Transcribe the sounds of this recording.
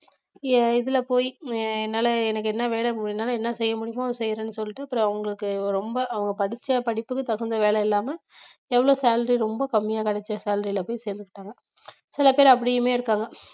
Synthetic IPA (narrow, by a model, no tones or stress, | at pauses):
ɪðɪlɐpoːjɛnːaːlɐɛnɐkːɯɛnːɐʋeːlɐmʊɽɪnːaːlɐɛnːɐsɛjːɐmʊɽɪjʋãːsɛjːɾɐnːɯsɔlːɪʈːɯɐpːɯɾɐ̃ɐʋɐŋɡɐɭɯkːɯɾɔmbɐʔɐʋɐŋɡɐpɐɽɪt͡ʃːɐpɐɽɪpːɯkːɯt̪ɐɣɐnd̪ɐʋeːɭɐɪlːaːmɐɛʋːɐɭoːsaːlɐɾiɾɔmbɐkɐmːɪjaːkɐɽɛt͡ʃːɐsaːlɐɾilɐpoːjseːɾnd̪ɯkːɪʈːaːŋɡɐ | sɪlɐpeːɾɐp̬ːɐɽɪjɯmeːɪɾɯkːaːŋɡɐ